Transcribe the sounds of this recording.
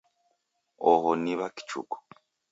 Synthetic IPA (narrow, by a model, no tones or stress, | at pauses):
ɔɦoniβaki̥t͡ʃṵkɔ̥